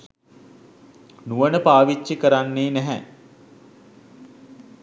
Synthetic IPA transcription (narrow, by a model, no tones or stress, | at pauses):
nuʋənəpaːʋit͡ʃːikəɾanːeːnæɦɛ̰